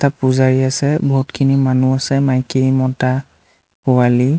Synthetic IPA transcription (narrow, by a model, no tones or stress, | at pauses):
tapuzaɹiasɛbʱotkʰinimanuasɛmajkemɔta | puwali